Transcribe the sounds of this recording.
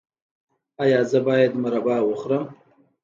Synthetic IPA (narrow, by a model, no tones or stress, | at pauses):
ɑjɑːzəbɑːjad̪maɾabɑːwəxɾəm